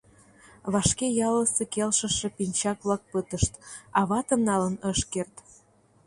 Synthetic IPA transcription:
βɑʃkejɑləsekelʃə̆ʃĕpinʲt͡ɕɑkβlɑk̚pət̪əʃt̪ɑβɑt̪əmnːɑlənəʃkert̪

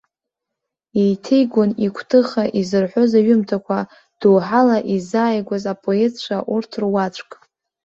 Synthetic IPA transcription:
ejtʰejɡʷonikʷʰtʰɨχaʔizɨrħʷozaɥʊmtʰakʷʰa | d̥uːħalaʔizaːjɡʷazapʼoezt͡ʃʷʰaʔurtʰrwat͡ʃʷʰʼkʼ

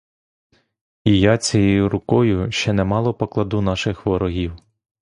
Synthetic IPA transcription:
ijɑt͡sʲɛjejʊɾʊkɔjʊʃt͡ʃɛnɛmɑlˠɔpɔklˠɐd̪unɑʃɪxʋɔɾɔɦʲiw

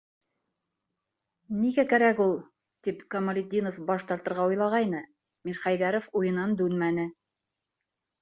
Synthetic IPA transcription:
niɡækæɾækulˠ | t̪ipkɐmɐlʲid̪ʲinofbɑʃt̪ɑɾt̪ɤ̆ɾʁɑujlˠɑʁɑjnɤ | miɾχæjðæɾofujɤ̆nɑnd̪ʉnmænɘ

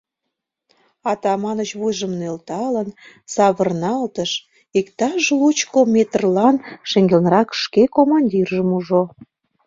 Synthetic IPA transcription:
ɑt̪ɑmɑnət͡ɕβujʒəmnølt̪ɑlən | sɑβərnɑlt̪əʃ | ikt̪ɑʒlut͡ɕkomʲet̪ərlɑnʃeŋɡelnəɾɑkʃkekomɑnʲdʲirʒəmuʒo

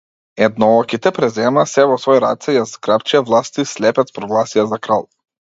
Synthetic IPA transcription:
ɛd̪̚nɔɔkit̪ɛpɾɛzɛmaːsɛvɔsvɔjɾa̰t̪sɛjaskɾapt͡ʃiavlˠast̪islɛpɛt̪spɾɔɡlˠasijazakɾalˠ

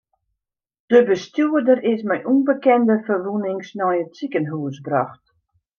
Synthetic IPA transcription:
d̥əbəstjuədərɪsmɛjʔunbəkɛndəfərʋunɪŋsnɔjətsikənɦuəsbraxt

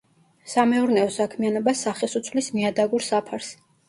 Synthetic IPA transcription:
samɛuɾnɛɔsakʰmianɔbasaχɛsut̪sʰvlismiad̪aɡuɾsapʰaɾs

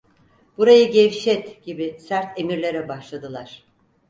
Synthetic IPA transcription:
b̥uɾajɯɟɛvʃɛt̪ɟ̥ibisæɾt̪ʰe̞miɾlʲe̞ɾɛbaʃlˠad̪ɯlˠaɾ̥

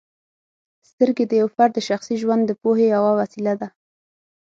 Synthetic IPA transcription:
st̪əɾɡed̪əjawfaɾd̪əʃaxsiʒwand̪ːəpohejawawasilad̪a

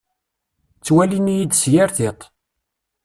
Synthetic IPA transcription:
t͡sːwælinijid̪sjaɾθɪt̪ˤ

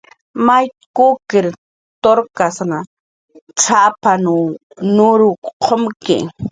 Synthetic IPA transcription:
majkukɪɾ | t̪oɾkasna | t͡sʰapanu | nʊɾʊqʰomkɪ̰

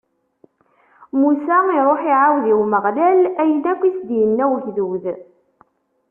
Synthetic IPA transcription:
musæiɾˤoħiʕawðiwməʁlælæjənækʷːisd̪jənːæwəçðuð

